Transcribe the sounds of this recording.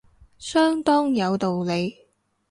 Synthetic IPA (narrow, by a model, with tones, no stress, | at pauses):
sœː˥ŋt̪ɔː˥ŋjɐ˨˧wt̪o˨wle˨˧j